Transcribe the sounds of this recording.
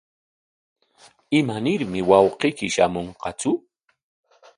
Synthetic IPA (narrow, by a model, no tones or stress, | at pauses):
ɪmanɪɾmɪwɑwqɪjkɪʃamoɴqɑt͡sʊ